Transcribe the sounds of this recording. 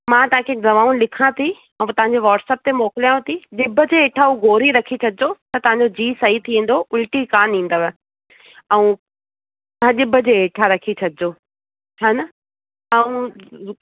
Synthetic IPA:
mãːt̪ɐãkʰezɐʋaːunlɪkʰãt̪ʰi | ɛ̃ũt̪ɐʋ̤ãɲd͡ʑeʋaːʈsɛːp̚t̪emoːkɪlijaũt̪ʰiɗɪbʱəd͡ʑeːeːʈʰauɡʱoːɾiɾɐkʰit͡ɕʰɐd̪ɪd͡ʑot̪ɐt̪ɐʋãɲd͡ʑod͡ʑiːsɐɦit̪ʰiʋĩːn̆d̪oʔʊlʈikaːnĩːnd̪oʋɛ | ɛũ | ãɗɪbʱəd͡ʑeːeːʈʰaɾɐkʰit͡ɕʰɐd̪ʱɪd͡ʑoː | aːnɐ | ɛũ

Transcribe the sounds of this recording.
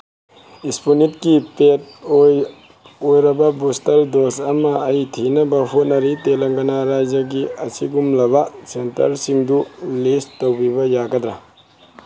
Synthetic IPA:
ispunit̚kipet̚oj | ojɾɐbɐbustɐldosɐmɐːjtʰinɐbɐhut̚nɐɾitelɐŋɡɐnaɾajd͡ʒɐɡiɐsḭɡumlɐbɐsentɐ̰ɾsiŋdulistowbibɐjaɡɐd̪ɾa

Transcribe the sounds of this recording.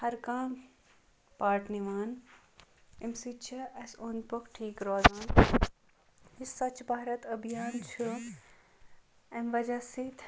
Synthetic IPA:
hɐɾkaːm | paːʈʰniʋaːn | imsit͡ʃʰiɐsonpokʈʰiːkɾoːd̪aːn | ɦisɐt͡ʃbʱaːɾɐt̪ɐbʱijaːnt͡ʃʰu | ɐmʋɐd͡ʒasit̪ʰ

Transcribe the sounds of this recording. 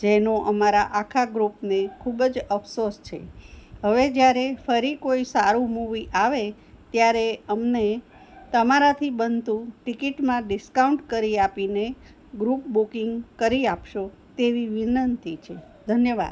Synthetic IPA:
d͡ʒenoʔəmaɾaʔakʰaɡɾupnekʰubd͡ʒəfsost͡ʃʰḛɦəʋed͡ʒjaɾefəɾikoisaɾũmuʋiʔaʋe | t̪jaɾeəmne | t̪əmaɾat̪ʰibənt̪ũʈikiʈmãɖɪskauɳʈkəɾiapine | ɡɾup̚bukiŋɡkəɾiapʃo | t̪eʋiʋinənt̪it͡ʃʰe | d̪ʱənjəʋa̰d̪

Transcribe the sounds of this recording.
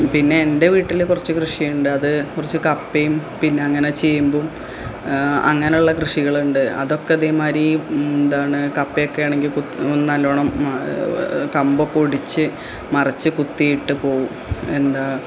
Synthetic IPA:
pinːe̞ende̞ʋiːʈːilkurɐt͡ɕːɨkrɨʂijuɳɖɨɐðɨkurit͡ɕːɨkɐpːejumpinːe̞ɐŋːɐne̞t͡ɕe̞jːumbom | ɐ̰ŋːɐneuɭːɐkrɨʂiɣɐɭuɳɖɨɐ̰ðo̞kːeɐðemaːɾind̪aːɳɨkɐpːejokːe̞jaːɳeŋɡilkuonːnɐlːoːɳɐm | kɐmbokːoɽit͡ɕːɨ | mɐrɐt͡ɕːɨkut̪ːijiʈːɨpo̞ːʋume̞nd̪aː

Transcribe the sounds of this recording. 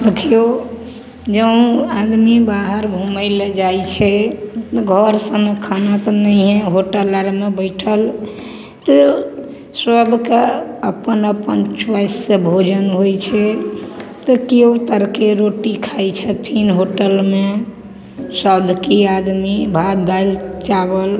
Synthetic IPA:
d̪ekʰijo | d͡ʒə̃ad̪mibaɦəɾbʱuməjled͡ʒajt͡ʃʰɛt̪ɡʱɔɾsəmkʰanət̪nəiɦɛ̃ɦoʈələɾmebəɪʈʰəl | t̪ɔ | səbʱkeəpənəpənt͡ʃʋasːẽbʱod͡ʒənɦojt͡ʃʰɛ | t̪əkeut̪əɾkeɾoʈikʰajt͡ʃʰɛt̪ʰinɦoʈəlme | səd̪ʱkiad̪mibʱad̪d̪alt͡ʃabəl

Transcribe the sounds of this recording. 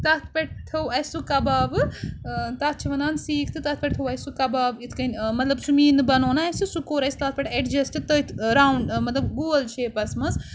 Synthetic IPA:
t̪ɐt̪ʰpʲɐʈ̚ʰt̪ʰɐwɐjsukɐbaːʋɨ | t̪ɐt̪̚t͡ʃʰiʋɐnaːnsiːkʰt̪ɨt̪ɐt̪̚ʰpʲɐʈ̚t̪ʰɐwɐjsukɐbaːʋit̪ʰkɐnmɐt̪lɐbsumiːnɨbɐnoːnaɐsɨsukoːɾɐjst̪ɐt̪̚ʰpʲɐʈeʈd͡ʒɐsʈɨt̪ət̪ʰɾaːwɳɖmɐt̪lɐbɡuːlt͡ʃʰeːpɐsmɐs

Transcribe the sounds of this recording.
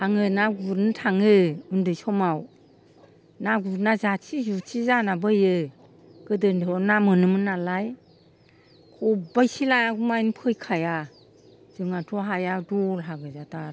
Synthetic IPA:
aŋɯnaɡuɾntʰaŋɯundɯjsɔmaw | naɡuɾnazat͡ʃʰizut͡ʃʰizanabɯjɯ | ɡ̥ɯdɯndʰɔnamɯnɯmɯnalaj | kʰɔbajsilajaɡmajnpʰɯjkʰaja | z̥ɯŋatʰɔɦajadɔlɦaɡɯzatʰa

